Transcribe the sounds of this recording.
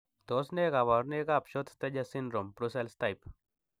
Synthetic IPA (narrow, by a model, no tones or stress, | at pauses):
d̪̥ɔsnekaβaɾnekapɕot̪t̪ed͡ʑasindɾompɾuselst̪ajp